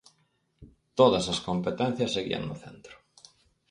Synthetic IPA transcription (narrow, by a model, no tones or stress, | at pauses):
t̪oðɐsɐskompet̪ẽn̟θjɐsːeɣḭɐ̰ŋnʊθent̪ɾʊ̥